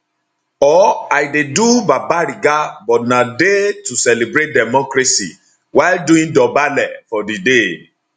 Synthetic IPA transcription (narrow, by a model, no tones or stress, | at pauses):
ɔajdedubabaɾiɡabɔnãdetusɛlebɾet̚dɛmɔkɾesi | wadũĩdɔbalɛfɔdide